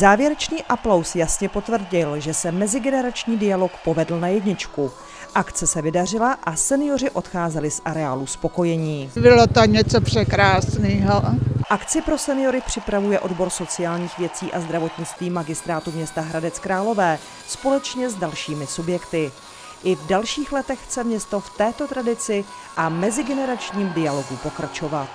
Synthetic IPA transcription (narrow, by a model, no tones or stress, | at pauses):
zaːvjɛɾɛt͡ʃniːʔaplowsjasɲɛpo̞t̪vr̩ɟɪlʒɛsɛmɛzɪɡɛnɛɾat͡ʃɲiːdɪjalo̞kpovɛdl̩najɛdɲɪt͡ʃku | ʔakt͡sɛsɛvɪdar̝ɪlaʔasɛnɪjo̞r̝ɪʔo̞t̪xaːzɛlɪsʔaɾɛaːluspo̞ko̞jɛɲiːbɪlot̪oɲɛt͡sopr̥ɛkɾaːsniːɦoʔakt͡sɪpɾo̞sɛnɪjo̞ɾɪpr̝̥ɪpɾavujɛʔo̞dbo̞ɾso̞t͡sɪjaːlɲiːxvjɛt͡siːʔazd̪ɾavo̞t̪ɲɪt͡st̪viːmaɡɪst̪ɾaːt̪umɲɛst̪aɦɾadɛt͡skɾaːlo̞vɛː | spo̞lɛt͡ʃɲɛzdalʃiːmɪsubjɛkt̪ɪ | ʔɪvdalʃiːxlɛt̪ɛxt͡sɛmɲɛst̪o̞ft̪ɛːt̪o̞t̪ɾadɪt͡sɪ | ʔamɛzɪɡɛnɛɾat͡ʃɲiːmdɪjalo̞ɡupo̞kɾat͡ʃo̞vat̪